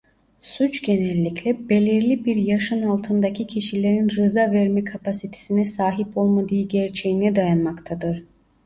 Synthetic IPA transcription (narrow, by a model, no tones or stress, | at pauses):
sut͡ʃɟe̞nɛlʲːiclʲɛbe̞lʲiɾlʲibiɾjaʃɯnalˠt̪ʰɯnd̪acʰicʰiʃilʲe̞ɾinɾɯzavɛɾmɛkʰapʰasit̪ʰe̥sinɛsaːɦipo̞lˠmad̪ɯjɯɟɛɾt͡ʃʰejinɛd̪ajanmakt̪ʰad̪ɯɾ̥